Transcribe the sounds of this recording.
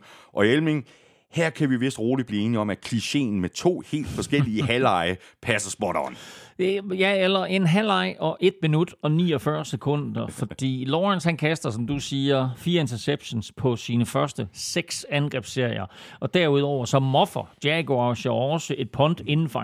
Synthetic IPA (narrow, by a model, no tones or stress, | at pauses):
ʔɒ̽elmeŋ | hæɐ̰kʰæʋiʋe̝sd̥ʁoːlib̥liːe̝ːniɒ̽mækʰliɕe̝̰ːn̩met͡sʰo̝̰ːhe̝̰ːld̥fɒ̽sɡ̥el̰iəɦælɑ̈ɪəpʰæsɐsb̥ɒɾ̥ɐn | jæelɐʔe̝nɦælɑ̈ɪʔɒ̽ʔe̝d̥̚minud̥ɒ̽nḭːɒfɶɐsekʰɔ̽n̰d̥ɐfɒ̽d̥ḭːlɒːʁænshænkʰæsd̥ɐsɒ̽md̥usiːɐfiːɐe̝nt͡sʰɐseb̥ɕo̝nspʰɒ̽siːnəfɶɐsd̥əseɡ̥sænɡ̥ʁɛ̰ːb̥sːe̝ɐ̰ijɐʔɒ̽d̥æɐuð̞ˠɒʊ̰ɐsɒ̽mːɒ̽fɐ̰d̥jæɡ̥oaʊɕɐɒsəʔe̝d̥̚pʰɒ̽nd̥e̝nn̩fɒ